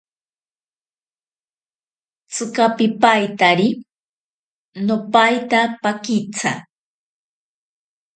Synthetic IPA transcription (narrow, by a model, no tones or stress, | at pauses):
t͡sʰɨkapɪpajt̪aɾi | nopajt̪apakɪt͡sʰa̰